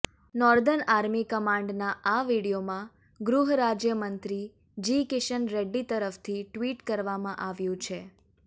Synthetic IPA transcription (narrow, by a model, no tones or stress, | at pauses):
nɔɾd̪ənaɾmikəmãɳɖnaaʋiɽijomã | ɡɾuɦɾad͡ʒjəmənt̪ɾi | d͡ʒikɪʃənɾeɖːit̪əɾəft̪ʰiʈʋiʈkəɾʋamãʔaʋjũt͡ʃʰe